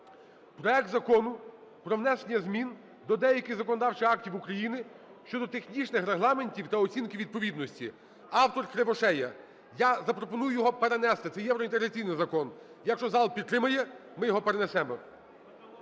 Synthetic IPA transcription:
pɾɔɛk̚t̪zɐkɔnʊ | pɾɔʋnɛsenʲɐzmʲin | d̪ɔd̪ɛjɐkʲɪxzɐkɔnɔd̪ɑwt͡ʃɪɑk̚tʲiwukɾɐjinɪ | ʃt͡ʃɔd̪ɔt̪exnʲit͡ʃnɪxɾeɦlˠɑme̞nʲtʲiwt̪ɐɔt͡sʲinkʲiwʋʲid̪̚pɔʋʲid̪nɔsʲtʲi | ɑwt̪ɔrkɾeʋɔʃɛjɐ | jazɐpɾɔpɔnujʊjɔɦɔpeɾenɛst̪ɪt̪sɛjɛwɾɔint̪eɦɾɐtt͡sʲijnɪjzɐkɔn | jɐkʃt͡ʃɔzɑlˠpʲid̪̚t̪ːɾɪmɐjɛmɪjɔɦɔpeɾenesɛmɔ

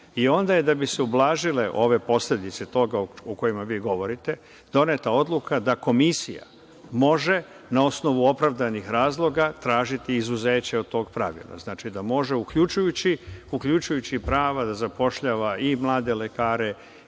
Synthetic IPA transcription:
io̞nd̪ajed̪abiseublˠaːʒile̞ʔo̞ʋe̞po̞sle̞d̪it̪set̪o̞ɡaoko̞jimaʋiːɡo̞ʋo̞ɾit̪e̞ | d̪o̞net̪ao̞d̪lˠukad̪ako̞misija̰ | mo̞ʒe̞ | nao̞sno̞ʋuo̞pɾaʋd̪anixɾaːzlˠo̞ɡat̪ɾaːʒit̪iːzuzeːt͡ɕeo̞d̪̚t̪o̞ːɡ̚pɾaʋḭlˠa̰znaːt͡ʃid̪amo̞ʒe̞ukʎut͡ʃujut͡ɕiukʎut͡ʃujut͡ɕipɾaːʋad̪azapo̞ʃʎaːʋaʔimlˠaːd̪e̞le̞kaːɾe̞

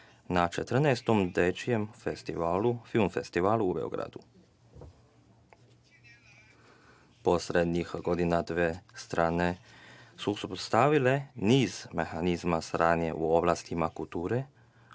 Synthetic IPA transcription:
nat͡ʃet̪r̩naːst̪omd̪et͡ʃijemfest̪iʋaːlufilmfest̪iʋaːlˠuːbḛoɡɾa̰d̪u | posɾed̪ɲixɡod̪inad̪ʋest̪ɾaːnesusupot̪st̪aʋileniːzmexanizmasɾaːnjḛʔuoblˠast̪imakult̪uːɾe

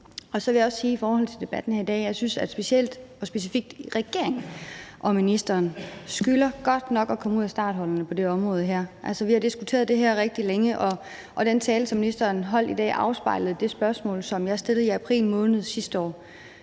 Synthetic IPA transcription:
ɒ̽sɒ̽ʋe̝jɑ̈ɒ̽ssiːifɒːhɒ̽l̰t͡sʰe̝ld̥e̝b̥æd̥n̩hæɐ̰id̥ɛ̰ːjɑ̈ɪsynsæ̥sb̥e̝siel̰d̥ɒ̽sb̥e̝s̬ifiɡ̥̚d̥ʁɛɡ̥e̝ɐe̝ŋ̩ʔɒ̽minisd̥ɐːnsɡ̥ylɐɡ̥ɒ̽d̥nɒ̽ɡ̥ɒ̽kʰɒ̽məuð̰ˠsd̥ɑ̰̈ːd̥ɦɒ̽lɐnəpʰɒ̽d̥e̝ɒ̽mʁɔ̽ːð̞̩ˠɦæɐ̰ʔælsɒʋihɑ̈d̥isɡ̥ut͡sʰe̝ːɐðˠd̥e̝ɦæɐ̰ʁeɡ̥̚d̥ileŋəʔɒ̽ | ʔɒ̽d̥ent͡sʰɛːlət͡sʰɒminisd̥ɐːnɦɒ̽l̰d̥id̥ɛ̰ːʔɑ̈ʊsb̥ɑ̈ɪ̰ləð̩ˠd̥e̝sb̥ɶɐsmɔ̰ːlsɒ̽mjɑ̈ɐsd̥e̝lð̩ˠiæpʰʁḭːlmɔ̽ːnð̞̩ˠsisd̥əɒ̰ː

